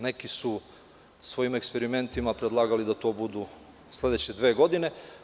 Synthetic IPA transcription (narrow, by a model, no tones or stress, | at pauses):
ne̞kisu | sʋo̞jimekspeɾime̞nt̪imapɾed̪lˠaːɡalid̪at̪o̞ːbud̪u | slˠe̞d̪et͡ɕed̪ʋeːɡo̞d̪ine